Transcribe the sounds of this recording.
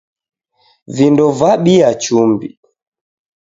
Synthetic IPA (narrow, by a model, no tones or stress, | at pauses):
vindɔvaɓiat͡ʃumbḭ